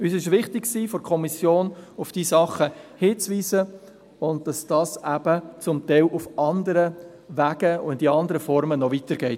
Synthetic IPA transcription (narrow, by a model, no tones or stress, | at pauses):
yːsɪʃʋɪχtɪkksiːfɔɾkʰɔmisjoːnʊfd̥iːsɑχːəhɪːt͡sʋiːzə | ʊnd̚d̥ɑsd̥ɑsæbət͡sʊmtɛɪlʔʊfʔɑndəɾə | ʋæːɡəʊɪdiɑndəɾəfɔɾmənɔʋitəɾɡ̥ɛɪt